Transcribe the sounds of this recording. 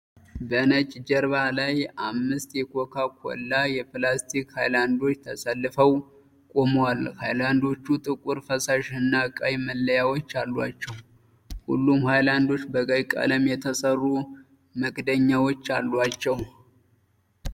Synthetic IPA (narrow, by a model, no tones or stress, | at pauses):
bənət͡ʃʼd͡ʒəɾβalajamːɨst̪jɛkʰokʰakʰo̰lːajɛpɨlast̪ʰikhajland̪o̞t͡ʃːt̪ʰəsəlːɨfəw | kʼomwalhajland̪o̞t͡ʃːut̪ʼɨkʼuɾfəsaʃɨnːakʼajməlːəjawot͡ʃːalːwat͡ʃːɛw | hṵlːumhajland̪o̞t͡ʃːbəɡajkʼa̰ləmjɛt̪ʰəsərːu | məɡʼd̪əɲːawot͡ʃːalːwat͡ʃːɛw